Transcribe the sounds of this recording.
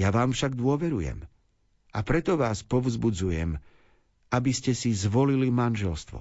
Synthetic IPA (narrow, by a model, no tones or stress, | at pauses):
jaʋaːmfʃaɡd̪ʊɔʋɛɾujɛ̰m | ʔapɾɛt̪ɔʋaːspɔʋzbud͡zujɛ̰m | abiscɛsizʋɔlilimanʒɛlst̪ʋɔ̰